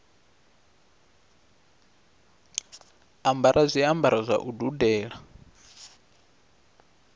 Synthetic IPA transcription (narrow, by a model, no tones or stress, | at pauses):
ambaɾʔazʷiambaɾɔzʷa̰ʔududɛːɺa